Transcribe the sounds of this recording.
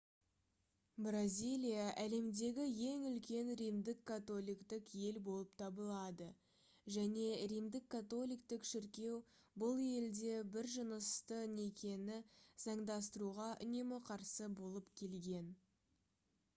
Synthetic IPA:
brazʲilʲijaʔæle̞md̪e̞ɡʲɪje̞ŋʏlkʲe̞nɾijmd̪ɪkʰːat̪o̞lˠijkt̪ɪkje̞lbo̞lˠəp̚t̪ʰɑbəlˠɑd̪ə | ʒæne̞ɾijmd̪ɪkʰːat̪o̞lˠijkt̪ɪkʃɪɾkʲe̞w | bʊlˠe̞ld̪e̞bɪɾʒənəst̪əne̞kʲʰe̞nɪzɑɴd̪ɑs̬t̪əɾuʁɑʔʏ̰ne̞mɪqʰɑɾsəbo̞lˠəpkʲʰe̞lɡʲe̞n

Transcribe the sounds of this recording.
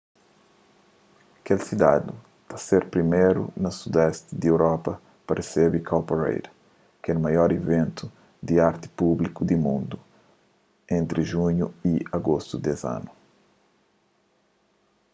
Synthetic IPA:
kelsid̪a̰d̪u | t̪aseɾpɾimejɾṵnɐsud̪ɛst̪d̪ewɾɔpɐ | paɾesebikʰalpeɾḛjd̪ | kɛnmajɔɾivẽnt̪u | d̪iaɾt̪ɪ̥publikud̪imũnd̪u | ẽnt̪ɾiʒuɲuiaɡost̪ud̪eza̰nu

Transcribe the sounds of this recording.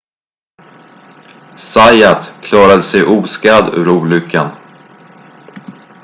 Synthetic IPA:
sajat̪kʰlɑːɾad̪əsɛjʔuːskad̪ʉ̟̰ːɾuːlʏkʰːan

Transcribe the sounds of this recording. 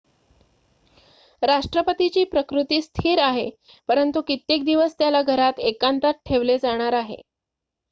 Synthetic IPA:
ɾaʂʈɾəpət̪it͡ɕiːpɾəkɾut̪iːst̪ʰiːɾaɦe | pəɾənt̪ukit̪ːek̚d̪iʋəst̪jalaɡʱəɾat̪ekant̪at̪̚ʈʰːeʋled͡zaɽ̃aɾaɦḛ

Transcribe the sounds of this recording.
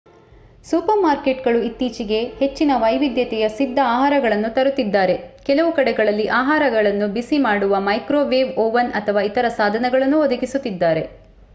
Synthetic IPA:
suːpɐɾmaːɾke̞ʈɡɐɭuit̪ːiːt͡ʃiɡe̞he̞t͡ʃːinɐʋɐjʋid̪jɐt̪ɛjɐsid̪ʱːɐaːɦaːɾɐɡɐɭɐnːut̪ɐɾut̪ːid̪ːaːɾe̞kɛlɐʋukɐɽɛɡɐɭɐlːiʔaːɦaːɾɐɡɐɭɐnːubisimaːɽuʋɐmɐjkɾoːʋeːʋoːʋɐnɐt̪ʰɐʋaːit̪ɐɾɐsaːd̪ʱɐnɛɡɐɭɐnːuod̪ɐkisut̪ːid̪ːaːɾe̞

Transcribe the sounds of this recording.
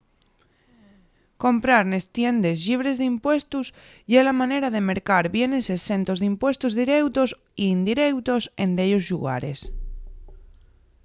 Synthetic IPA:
ko̞mpɾaɾne̞st̪je̞nd̪e̞sʎiβ̞ɾe̞zðimpwe̞st̪us | jelamãneɾaðe̞me̞ɾkaɾβje̞ne̞sese̞nt̪o̞zðimpwe̞st̪uzðiɾe̞wt̪os | iːnd̪iɾe̞wt̪o̞se̞nd̪eʎozʎuɣa̰ɾe̞̰s

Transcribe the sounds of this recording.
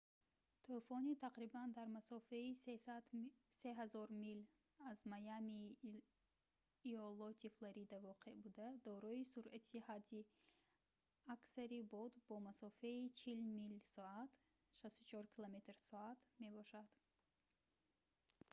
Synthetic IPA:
t̪ʰofɔnit̪ʰaqɾiband̪aɾmasɔfeied̪seɦazɔɾmil | azmajami | ɔlɔt̪ʰiflaɾid̪avɔqʰe̞bud̪ad̪ɔɾɔisuɾʔat̪ʰihad̪i | aksaɾibɔd̪bɔmasɔfait͡ʃʰilmilsɔat̪ | ʃast̪ut͡ʃʰɔɾkʰilome̞t̪ɾsɔat̪me̞bɔʃad̪̥

